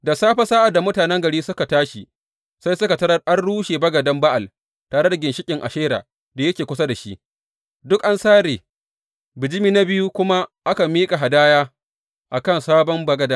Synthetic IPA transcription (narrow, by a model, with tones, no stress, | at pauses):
da˨saː˦ɸa˦saː˦ʔa˨da˨mʊ˦taː˨nɛ˦ŋɡɐ˨ɽiː˦sʊ˦ka˨taː˦ʃi˨ | sa˦jsʊ˦ka˨tɐ˦ɾɐ˦ʔa˦rɽuː˦ʃeː˨bɐ˦ɡɐ˨dɐ˦mba˦ʔa˨l | taː˨ɾe˦da˨ɡʲɪ˨nʃɪ˦kʲʼɪ˨ŋʔa̰˨ʃeː˦ɾa̰ː˨ | da˨jɐ˦kʲeː˨kʷʊ˦sa˦da˨ʃi˦ʔ | dʊ˦kʔa˦nsaː˦ɾeː˨ | bɪ˨d͡ʒɪ˦miː˦na˦bɪ˦ju˦kʷʊ˦ma˦ʔa˦ka˨miː˦kʼa˨ɦa˨daː˦jaː˦ | ʔa˨kɐ˦˨nsaː˦bɔ˦mbɐ˦ɡɐ˨˦da˦